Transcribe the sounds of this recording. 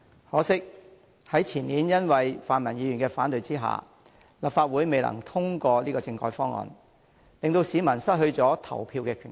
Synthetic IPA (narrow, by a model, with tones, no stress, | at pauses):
hɔː˨˥sɪ˥k̚ | hɐ˨˥jt͡sʰiː˨˩nːiː˨˥njɐ˥nwɐ˨jfaː˨nmɐ˨˩njiː˨˧ɥy˨˩nkɛː˧faː˨˥nt̪ɵ˨˧ɥt͡siː˥ɦa̰ː˨ | lɐ˨p̚faː˧t̚wuː˨˥jme˨jlɐ̰˨˩ŋt̪ʰʊ˥ŋkɔː˧liː˥kɔː˧t͡sɪ˧ŋkɔː˨˥˩jfɔː˥ŋɔ̰ː˨n | lɪ˨ŋt̪o˧wsiː˨˧mɐ˨˩nsɐ˥t̚hɵ˧ɥt͡sɔː˨˥t̪ʰɐ̰˨˩wpʰiː˧wkɛː˧kʰy̰˨˩n